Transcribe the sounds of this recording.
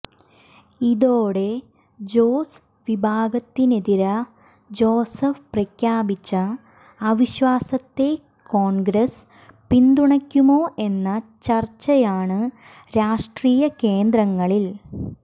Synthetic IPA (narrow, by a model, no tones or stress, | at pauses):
iðoːɽe̞ | d͡ʑoːs | ʋibʱaːɡɐt̪ːineðiɾɐ | d͡ʑo̞ːsɐfprɐkjaːbit͡ɕːɐː | ʋiɕʋaːsɐt̪ːe̞ | koːɳɡɾɐs | pind̪uɳɐkʲːumo̞ːʔe̞nːɐt͡ɕɐrt͡ɕːɐjaːɳɨ | ɾaːʂʈriːjɐke̞ːnd̪rɐŋːɐɭil